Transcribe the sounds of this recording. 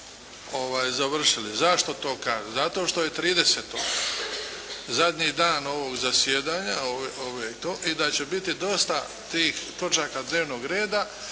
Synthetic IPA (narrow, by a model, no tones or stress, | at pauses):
o̞ʋaːjzaʋr̩ʃilizaʃt̪o̞t̪o̞ːkaːʒuzat̪o̞ːʃt̪o̞je̞t̪ɾiːd̪e̞set̪oɡ | zad̪ɲiːd̪aːno̞ʋo̞ɡzasjeːd̪aːɲaoeoʋet̪oːʔid̪at͡ɕe̞bit̪id̪o̞st̪a | t̪iːxt̪o̞t͡ʃaːkad̪ne̞ːʋno̞ɡɾe̞ːd̪a